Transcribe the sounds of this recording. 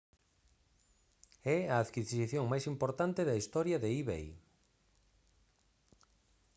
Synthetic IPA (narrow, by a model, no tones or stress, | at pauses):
ɛɐːðkissiθjoŋmajsimpoɾt̪ant̪ɪðɐist̪ɔɾjɐðeiβḛj